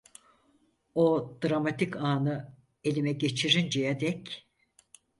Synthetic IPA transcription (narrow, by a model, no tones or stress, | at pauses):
od̪ɾamat̪ʰikaːnɯ | e̞lʲimɛɟe̞t͡ʃʰiɾind͡ʒɛjad̪ɛc